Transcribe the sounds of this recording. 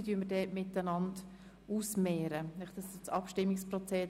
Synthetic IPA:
dyəmədɛːmɪtːənɑnd | uːsmɛːɾənɛχd̥ɑsst͡sɑpʃtɪmːɪkspɾɔt͡sɛ

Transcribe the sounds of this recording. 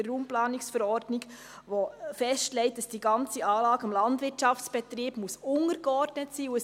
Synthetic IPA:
ruːmplɑːnɪksfəɾɔɾdnɪɡ | ʋofɛʃtlɛɪt̚d̥ɑsd̥iːɡɑnt͡siɑːlɑːɡ̥əɑmlɑndʋɪtʃɑft͡sb̥ɛtɾiːb̥musʊŋəɾɡ̥əɔɾdnətsiːuə

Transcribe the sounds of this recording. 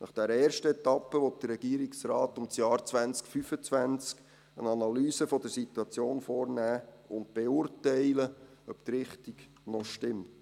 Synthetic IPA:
nɑχd̥ɛɾəɛːrʃtəɛtɑpːəʋɔt̚d̥ərːɛɡ̥iːɾiksrɑːtʊmsjɑːɾt͡sʋænt͡skfyfət͡svænt͡sk | ənɑnɑlyːsəfɔdəsit̪uɑt͡sjoːnfɔːrnæː | ʊnt̚b̥eʊːrtɛɪlə | œpt̪ɾɪχtiɡ | nɔʃtɪmt

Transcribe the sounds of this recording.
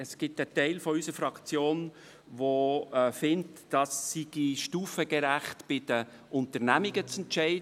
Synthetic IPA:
ɛsɡ̥ɪtətɛɪlfɔysəɾfɾɑkt͡sjoːn | ʋofɪntd̥ɑsːiɡ̥iʃtuːfəɡɛɾæχtb̥ɪd̥ə | ʔʊntəɾnæmiɡət͡sɛntʃɛɪd

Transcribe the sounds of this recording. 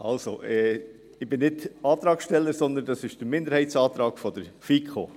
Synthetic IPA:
ʔɑ̰lso̰ʔɛ | ɪb̥ɪnːɪtɑːt̪ɾɑːksʃtɛlːəɾsɔnd̪əndɑsɪʃd̥əɾmɪndəɾhɛɪtsɑːt̪ɾɑːɡ̥fɔd̥əɾfikʰχo̰ː

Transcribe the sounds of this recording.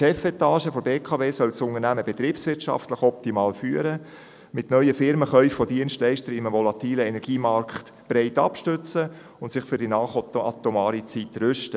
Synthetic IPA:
ʃɛfɛt̪ɑːʃəfɔbeːkʰɑveːsœlsʊnənæməbɛt̪ɾiːpsʋɪrtʃɑ̰ftləχɔp̚timɑːlfyːəɾə | mɪtnœʏəfɪɾməχœʏffɔdiənstlɛɪʃtəɾɪməʋɔlɑt̪iːləɛnɛɾɡ̥iːmɑɾkχt̪ | b̥ɾɛɪtɑpʃtøt͡sə | ʊnt̪sɪχfʏɾdinɑːχɑ̰t̪omɑːɾit͡sit̪ɾʏʃtə

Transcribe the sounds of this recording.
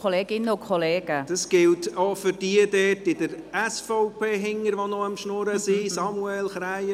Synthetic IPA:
ɔleːɡɪnokʰɔleːɡ̥əd̥ɑsɡ̥ɪltofʏɾd̥iədɛtɪdəɾɛsfɔʊpʰeːɦɪŋəɾʋonɔəmʃnɔɾəsisɑmuɛlχɾaɪjə

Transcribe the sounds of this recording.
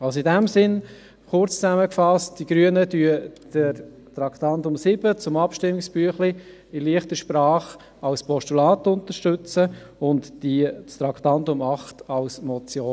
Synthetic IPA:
ɑlsoidæmsɪn | χʊrt͡st͡sæməkfɑst̚d̥iɡ̥ɾyənədyəd̥əɾ | tɾɑktɑntʊmsɪb̥ət͡sʊmɑpʃtɪmɪksb̥yəχli | ɪliəχtəʃpɾɑːχ | ɑlspɔstulɑːtʊntəʃtɵt͡sə | ʊntd̥ist̪ɾɑktɑntʊmɑχtɑlsmɔt͡sjoː

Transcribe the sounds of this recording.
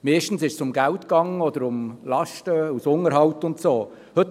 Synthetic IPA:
meːʃtn̩sɪʃsʊmɡæltkɑŋːəɔdəɾʊmlɑʃtəusʊŋəɾɦɑwtʊntsoː | hɵt

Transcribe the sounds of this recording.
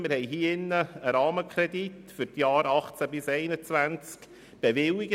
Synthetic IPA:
mɪɾhɛɪɦiːɪnːəəɾɑːməkʰɾɛdit | fʏɾtjɑːɾɑχt͡sæbɪsɛɪnət͡svænt͡sk | b̥evɪwɪɡə

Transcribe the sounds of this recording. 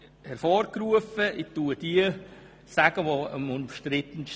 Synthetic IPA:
hɛɾfɔːɾkɾuəfəʔɪtuəd̥iə | sæɡ̥əʋoəmʊmʃtɾɪt̪ən

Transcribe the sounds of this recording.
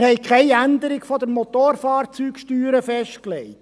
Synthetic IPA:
hɛɪkʰχɛɪænd̪əɾɪkfɔd̪əɾmɔt̪oːrfɑːrt͡syːkʃtyːɾəfɛʃtklɛɪt

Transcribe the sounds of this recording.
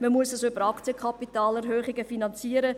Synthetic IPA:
məmuəsəsʏbəɾɑkt͡sjəkχɑpitɑːlɛɾɦøːχɪɡəfinɑnt͡siəɾə

